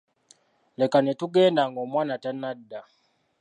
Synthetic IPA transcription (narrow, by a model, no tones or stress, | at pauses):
lɛkanɛtuɡɛndaŋɡɔmwanatanadːa